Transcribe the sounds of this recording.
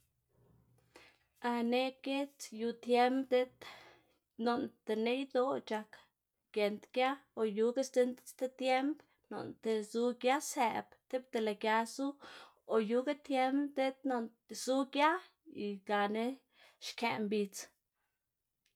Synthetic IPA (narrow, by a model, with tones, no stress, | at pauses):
a˧ne˧ke˦t͡sju˧t̪je˦mbd̪e˦t̪ | no˨nt̪e˨ne˦jd̪o˦t͡ʃa˧k | ɡ̥je˨nt̪ɡja˦o˨ju˧ɡe˦sd̪e˦nt̪st̪e˦t̪je˦mb | no̰˨nt̪e˨zu˧ɡja˦se˨bt̪e˦bt̪e˧la˨ɡja˧su˦ | o˨ju˧ɡa˦t̪je˦mbd̪e˦t̪no˧n˨ | zu˦ɡja˦ | i˨ɡa˨ne˦ | ʃke˨mbi˧t͡s